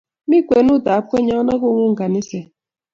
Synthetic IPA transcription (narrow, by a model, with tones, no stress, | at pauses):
mi˦kʷe˨nu˦˨ta˨˦pke˦ɲɔ˦nɔ˦kʊ˦ŋʷu˦ŋ̩˨ka˨ni˦se˨